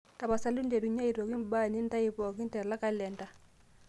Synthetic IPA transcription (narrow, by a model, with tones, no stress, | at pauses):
ta˨pa˨sa˨lu˦nde˨ɾu˨ɲa˦i˨ɾo˨ki˦mba˦˨ni˦n˦ta˦i˦pɔ˨k̬i˦n˦tɛ˨la˦ka˦lɛ˨nda˨˦